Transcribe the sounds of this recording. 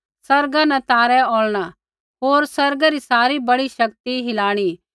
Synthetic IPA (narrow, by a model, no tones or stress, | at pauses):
sɐɾɡãnɛ̃t̪aːɾɛoːɭɽ̃a | ɦoːɾsɐɾɡaɾisaːɾibɐɽiʃɐkt̪iɦɪlaːɽ̃i